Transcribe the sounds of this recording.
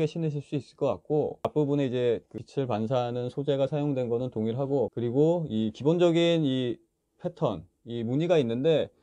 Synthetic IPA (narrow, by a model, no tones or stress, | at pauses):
ɡe̞ɕʰinɯɕʰiɭs͈uis͈ɯɭk͈ʌk͈a̰k̚k͈oap͈ubune̞id͡ʑe̞kɯit͡ɕʰɯɭpans̬ʰanɯnsʰod͡ʑe̞ɡasʰajoŋdwe̞nɡʌnɯntoŋiɾɦaɡokɯɾiɡoikibond͡ʑʌɡini | pʰe̞tʰʌ̰n | imuɲiɡainːɯnde̞